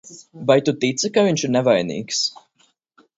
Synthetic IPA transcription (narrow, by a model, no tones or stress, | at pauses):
bajt̪ut̪it̪sɨkaviɲt͡ʃiɾnɛvajnḭːks